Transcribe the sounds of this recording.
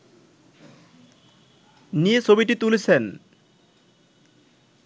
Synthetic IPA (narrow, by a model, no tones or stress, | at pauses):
nijet͡ɕʰobiʈit̪ulet͡ɕʰen